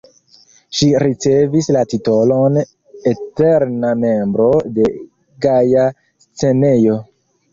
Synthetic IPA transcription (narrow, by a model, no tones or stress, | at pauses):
ʃiɾit͡se̞vislatito̞lo̞n | eteɾname̞mbɾo̞de̞ | ɡaja | st͡se̞ne̞jo̞